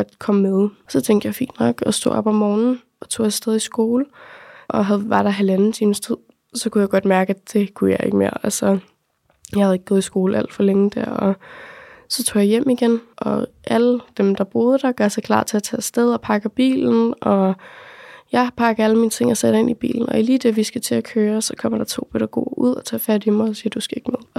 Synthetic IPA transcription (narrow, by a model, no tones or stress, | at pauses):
ɡ̥ɒd̥kʰɒ̽mmeðˠsɒ̽t͡sʰeŋ̰ɡd̥jɑ̈ɪfḭːnd̥nɒ̽ɡ̥ɒ̽sd̥o̰ːʔɒ̽b̥ɒmːɒːnn̩ | ʔɒ̽t͡sʰo̝̰ːjɑsd̥eð̞ˠisɡ̥o̝ːləʔɒ̽ɦæðˠʋɑ̈ɾ̥ɑ̈ɦælænn̩t͡sʰiːməst͡sʰið̰ˠ | sɒ̽kʰujɑɡ̥ɒ̽d̥mæɐɡ̥əæd̥e̝kʰujɑ̈ɪʔe̝ɡ̥əmeɐ̰ælsɒ | jɑhæð̩ˠe̝ɡ̥̚ɔ̽ːð̩ˠisɡ̥o̝ːləæl̰d̥fɒleŋəd̥æɐ̰ɒ̽ | sɒ̽t͡sʰo̰ːjɑ̈jem̰iɡ̥enʔɒ̽ʔæləd̥emd̥ɑ̈b̥o̝ːð̞ˠəd̥ɑ̈ɡ̥ɶɐsɑkʰlɑ̰̈ːt͡sʰe̝æt͡sʰɛ̰ːsd̥eð̞ˠɒ̽pʰɑ̈ɡ̥ɐb̥ḭːln̩ʔɒ̽ | jɑ̈ɪpʰɑ̈ɡ̥æləmiːnət͡sʰe̝ŋ̰ɒsed̥ɐe̝n̰ib̥ḭːln̩ɒ̽iliːd̥eʋisɡ̥æt͡sʰe̝ækʰøːɐsɒ̽kʰɒ̽m̰ɐɾ̥ɑ̈t͡sʰo̝̰ːb̥ødɾɑɡ̥ɔ̰ːuð̰ˠɒt͡sʰɛ̰ːfæd̥imɑɪɒsiːɐd̥usɡ̥æe̝ɡ̥əmeðˠ